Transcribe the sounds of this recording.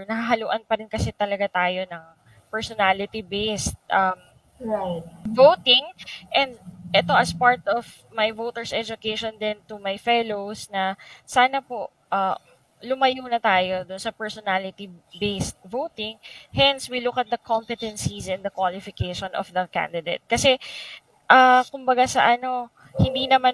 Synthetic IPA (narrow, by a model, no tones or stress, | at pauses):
nɐhaɦɐluːʔɐnpɐɾɪnkɐsɛt̪ɐlɐɡat̪aːjonɐŋ | pɛɹsɔnalɪt̪ibejst̪̚ʔɐm | at̪̚vowt̪ɪŋʔɛ̃nd̪ʔɛt̪o̞ʔɐspaɹt̪ɔv | mɐjvowt̪ɛɹsɛd͡ʒʊkeʃond̪ɪnt̪ʊmɐjfɛlowsnɐsaːnɐpoʔ | ʔɐ | lʊmɐjuːnɐt̪aːjo̞d̪ʊnsɐpɛɹsɔnalɪt̪ibejst̪̚vowt̪ɪŋhɛnswilʊkɐt̪̚d̪ɐkʰɔmpɪt̪ɛnsisɪ̃nd̪ɐkwalɪfɪkejʃɔnɔ̰fd̪ɐkã̰nd̪ɪd̪ḛt̪̚kɐsɛ | ʔɐkʊmbɐɡasɐ̰ʔɐno̞ | hɪnd̪inɐma